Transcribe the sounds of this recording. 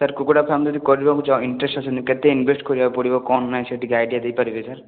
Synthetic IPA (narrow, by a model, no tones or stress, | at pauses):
saɾkukoɽapʰamd͡ʒɔd̪ikɔɾibakũt͡ʃaiɳʈɾesʈasʰnĩkɛt̪einbʱesʈkɔɾibaepɔɽibɔkɔnːajseʈikeajɖiad̪ejpaɾibesaɾ